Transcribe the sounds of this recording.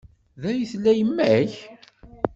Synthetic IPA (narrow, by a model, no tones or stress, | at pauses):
ðæjəθlːæjəmːæç